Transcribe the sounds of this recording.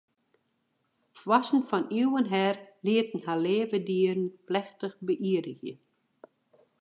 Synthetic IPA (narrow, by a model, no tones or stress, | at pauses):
fwasn̩fɔniəwənɦɛrliətn̩haleːvədiːəɾn̩plɛxtəxbəʔiədəɣjə̰